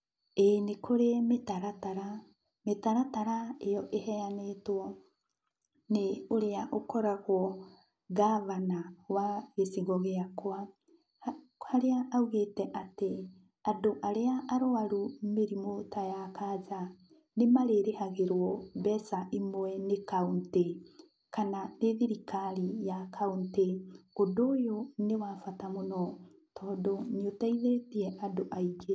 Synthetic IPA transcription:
enekʰoɾemetaɾataɾa | metaɾataɾaejɔʔehɛanetwɔ | neoɾeaʔokɔɾaɣwɔ | ɣaβanawaɣesiɣɔɣeakwa | haɾeaʔauɣetɛʔate | adoʔaɾeaʔaɾoaɾumeɾimotajakaza | nemaɾeɾehaɣeɾwɔbɛsaʔimwɛnekaunte | kananeðiɾikaɾijakʰaunteodoːjonewafatamonɔ | tɔːndoɲotaiðeetiɛʔadoʔaiɡe

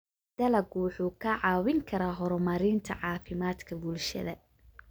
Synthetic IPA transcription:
d̪̥ɐlɐɡwħuːkʰɐʕɑːwɪŋkʰɐɾaːɦɔɾɔmɐɾɪnt̪ʰɐ̰ʕɑːfɪmaːd̪kʰɐbulʃɐ̰ðɐ

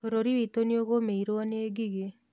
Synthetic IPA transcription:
oɾoɾiwit̪onioɣomeiɾoaneːɡiɡe

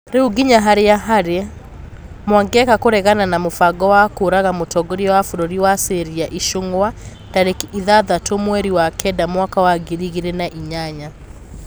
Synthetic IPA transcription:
ɾeuɡiɲaɦaɾejaɦaɾe | mwaŋɡɛkakoɾɛɣananamofaɡɔwakoɾaɣamotʰɔɡoɾiɔwafuɾoɾiwaseɾiaʔiʃoŋɡoa | d̥aɾekiðaðatomwɛɾiwakʰɛdamwakawaɡiɾiɣiɾɛnaʔiɲaɲa

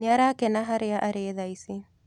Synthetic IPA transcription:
neaɾakɛnaɦaɾeaʔaɾeːðaisi

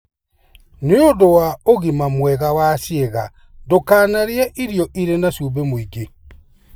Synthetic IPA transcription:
neodowaoɣimamwɛɣawasjeɣa̰ | dokaːnaɾjaʔiɾjɔʔiɾenasubemoiɡe

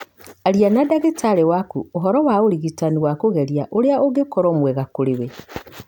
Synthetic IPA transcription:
aɾianadaɣetʰaɾewakuoɦɔɾɔwaoɾiɣitaniwakoɣɛɾjaʔoɾeaoɣekɔɾɔmwɛɣakoɾewe

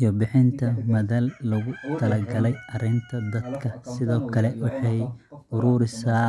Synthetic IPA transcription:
ijɔbɪħɪnt̪ʰɐmɐðɐlːɐɣʊt̪ʰɐlɐɡɐlɛjʔɐɾɪnt̪ʰɐd̪ɐd̪kʰɐsɪðɔːkʰɐlɛwɑħɑjʊɾuːɾɪsaː

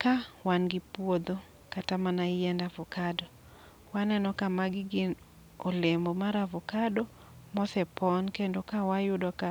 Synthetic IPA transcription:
kawanɡɪpwod̪o | katamanaɪjɛndavʊkadɔ | wanɛnɔkamaɡɪɡɪn | ɔlembomaɾavʊkadɔ | mɔsɛpɔnkendokawajʊdɔka

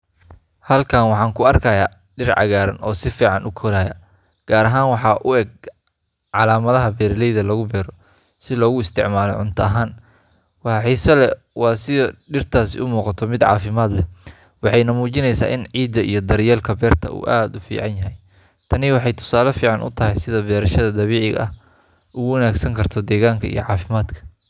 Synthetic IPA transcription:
hɐlkʰaːnwɑħɑːŋkʰʊɐrkʰɐjaː | ɖɪrʕɑ̰ɣaːɾɐ̰nʔɔːsɪfiːʕɑnʊkʰɔlaːjɐ̰ | ɡ̥aːɾɐɦaːnwɑħɑːʔʊɛɡ̚ | ʕɑlaːmɐðɐɦɐbɛːɾlɛjðɐlɐɣʊbɛːɾɔ | sɪlɔːɣʊɪst̪ʰɪ̰ʕmaːlɔ̰ʕʊ̰nt̪ʰɐɐɦaːn | wɑħɑħiːsɐlɛ | wɑːsɪðɐɖɪrt̪ʰaːsɪ̰ʔʊmuːqɑt̪ʰɔmɪd̪ʕɑ̰ːfɪmaːd̪lɛ | wɑħɑjnɐmuːt͡ʃɪnɛjsa̰ːʔɪnʕiːd̪ɐʔḭjɞd̪ɐɾɪjɛːlkʰɐbɛːrt̪ʰɐ̰ṵːʔaːd̪ʊfḭːʕɑnjɐɦɛj | t̪ʰɐnɪwɑħɑjt̪ʰʊ̥saːlɐfiːʕɑnʔʊ̰t̪ʰɐɦɛjsɪðɐbɛːɾɐʃɐðɐd̪ɐβiːʕɪɣɐ̰ɐh | ʊɣʊwɐnaːɡsɐŋkʰɐrt̪ʰɔd̪ɛːɣaːŋkʰɐḭjɔ̰ʕɑːfɪmaːd̪kʰɐ̥

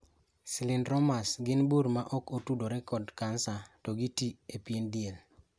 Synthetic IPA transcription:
sɪlɪnɾɔmasɡɪnbuɾmaʔɔkotudoɾɛkɔdkansatɔɡitiepjendɪel

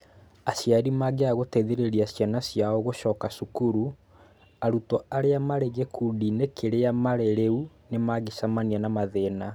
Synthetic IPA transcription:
aɕjaɾimaɡeaɣotɛðeɾeɾiasjanasjaɔɣoʃɔːkasukuɾu | aɾutɔaɾeamaɾeɣekuːdinekʰeɾeamaɾeɾeu | nemaɣeʃamanianamaðeːna

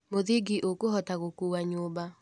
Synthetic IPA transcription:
moðiɡiʔokoɦɔtaɣokuwaɲoːba

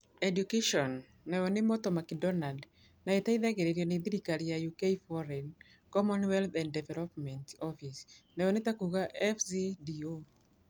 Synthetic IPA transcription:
ɛdjukeʃɔnː | ɛɔnɪmɔt̪ɔmakidɔnald | naet̪aiðaɡeɾeɾjɔned̪iɾikalijajukeifɔɾɛn | kɔmɔnwɛlθanddɛvɛlɔpmɛntɔfisnɛɔnɪt̪akuɣaʔɛfsidio

